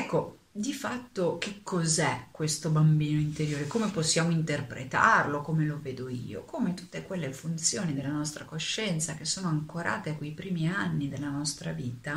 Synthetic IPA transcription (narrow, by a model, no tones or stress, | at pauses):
ɛkːo | d̪ifat̪ːok̟ekʰːozɛkːwest̪obambiːnoint̪eɾjoːɾekoːmeposːjaːmoint̪erpɾḛt̪a̰rlokomeloveːd̪oḭːo̰kʰomet̪ut̪ːekwelːefunt̪sjoːnid̪elːanɔst̪ɾakoʃːɛnt̪sak̟esːoːnoaŋkoɾa̰ːt̪ekwejpɾiːmianːid̪elːanɔst̪ɾa̰viːt̪a